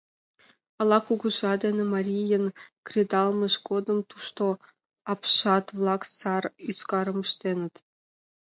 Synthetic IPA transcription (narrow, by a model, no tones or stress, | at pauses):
ɑlˠɑkuɡŭʒɑd̪enʲɘ̆mɑrʲijɤ̆nkrʲed̪ɑlˠmɤ̆ʃɡod̪ɤ̆mt̪uʂt̪o | ɑpʂɑt̪vlˠɑksɑryskɑɾɤ̆mɤ̆ʃt̪ʲenʲɘ̆t̪